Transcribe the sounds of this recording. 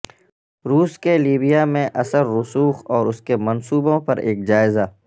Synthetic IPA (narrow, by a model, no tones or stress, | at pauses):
ɾuːskeliːbijamẽʔɐsəɾːʊsuːxɔːɾʊskemɐnsuːbõpɐɾeːk̚d͡ʒaːɪzaː